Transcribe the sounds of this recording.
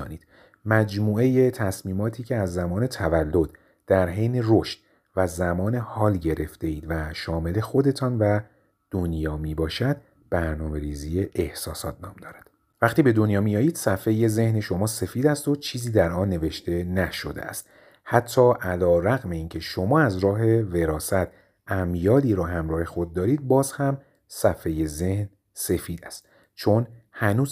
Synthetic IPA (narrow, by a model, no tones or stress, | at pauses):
niːd̪̥ | mæd͡ʒmuːe̞je̞t̪ʰæsmiːmɒːt̪ʰiːcʰe̞æzːæmɒːne̞t̪ʰævælːod̪̥ | d̪̥æɾɦejneroʃt̪ | væzæmɒːne̞hɒːlɟe̞ɾe̞ft̪e̞iːd̪væʃɒːme̞le̞xo̞d̪e̞t̪ʰɒːnvæ | d̪̥onjɒːmiːbɒːʃæd̪̥ | b̥æɾnɒːme̞ɾiːziːje̞ʔehsɒːsɒːt̪̚ʰnɒːmd̪ɒːɾæd̪̥ | væχt̪iːbe̞d̪o̞njɒːmijɒːjiːd̪̥sæfe̞je̞ze̞hneʃo̞mɒːse̞fiːd̪æst̪o̞t͡ʃʰiːziːd̪æɾʔɒːnːe̞ve̞ʃt̪e̞næʃo̞̰d̪ḛæ̰st̪ | hæt̪ʰːɒːʔælɒːɾæɣme̞iːncʰe̞ʃo̞mɒːæzɾɒːɦe̞ve̞ɾɒːsæt̪̚ʰ | æmjɒːd̪iːɾɒːɦæmɾɒːhe̞xo̞d̪̚ːɒːɾiːd̪̚bɒːzhæm | sæfeje̞ze̞hn | se̞fiːd̪æ̰st̪ | t͡ʃʰo̞nhænuːz